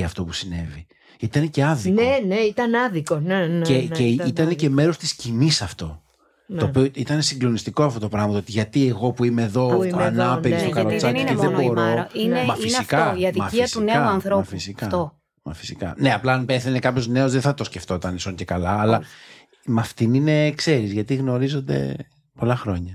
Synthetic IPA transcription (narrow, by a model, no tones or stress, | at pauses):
ɐft̪o̞pusine̞vi | iit̪ɐneceɐðineneit̪ɐnɐðikoneneceit̪ɐnece̞me̞ɾo̞st̪i̥scinisɐft̪o̞ | t̪o̞ːpioit̪ɐne̞siɡlo̞nist̪iko̞ɐft̪o̞t̪opɾɐɣmɐt̪oot̪iʝɐt̪ie̞ɣo̞puimeðo̞ɐnɐpeɾisokɐlot͡sɐnneðeboɾoinemɐfinikɐɐt̪mɐiɐst̪uneɐuɐnθɾoɐfisikɐt̪o | mɐfi̥sikɐ̰ne̞ɐplɐːnpeθenekɐpço̞zne̞o̞zðeθɐt̪o̞sceft̪o̞t̪ɐnisoɲce̞kɐlɐːlɐ | mɐft̪inine̞kse̞ɾizʝɐt̪iɣno̞ɾizo̞nd̪ḛ | polɐxɾo̞ɲɐ